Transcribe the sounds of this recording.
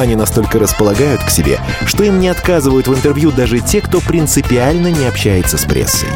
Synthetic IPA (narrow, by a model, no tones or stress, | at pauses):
ɐnʲinɐst̪o̞lʲkəɾəspəlˠɐɡajʊt̪ksʲɪbʲḛʂt̪o̞imnʲɪɐt̪kazɨvəjʊt̪vɨnt̪ɨrvjud̪aʐɨtʲe̞kt̪o̞pɾʲɪnt̪sɨpʲɪalʲnənʲɪɐpɕːæjɪt̪səspɾʲʔḛsːɨ̰j